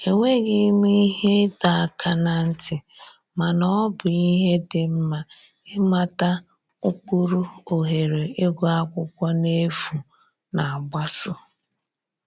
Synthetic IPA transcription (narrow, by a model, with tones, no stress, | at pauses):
e˨ŋʷe˦ɡɪ˦mi˦i˦ɦe˦ta˨a˨kʰa˦na˨n̩˦tʰɪ˨ | ma˨nɔ˦bʊ˨i˦ɦe˦dɪ˨m̩˦ma˨ | ɪ˦ma˦ta˦ | ʊ˦k͡pu˦ɾu˦o˨ɦe˨ɾe˨ɪ˦ɡʷʊ˦a˦kʷʊ˦kʷa˦ne˦fu˨ | na˨a˨ɡ͡ba˦sʊ˦